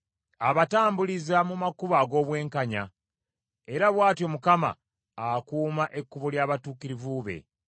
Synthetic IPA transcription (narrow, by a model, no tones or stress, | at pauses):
aβataːmbulizamumakuβaɡo̞ːβwe̞ːŋkaɲa̰ | e̞ɾaβwaːtjo̞mukama̰ː | kuːmaʔe̞kːuβuljaːβatuːkiɾivuβe̞̰